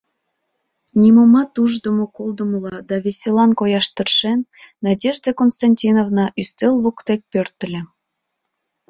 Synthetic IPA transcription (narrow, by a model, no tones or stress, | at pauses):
nʲimomɑt̪uʒd̪ə̆mokolˠd̪ə̆məlɑd̪ɑβʲesʲelɑnkojɑʃt̪ə̆rʃenːɑdʲeʒd̪ekonst̪ɑnʲtʲinovnɑʔyst̪elβokt̪ek̚pørt̪ə̆lʲĕ